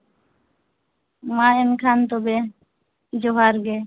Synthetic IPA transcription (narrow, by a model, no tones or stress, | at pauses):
maenkʰant̪obe | d͡ʒoɦaɾɡe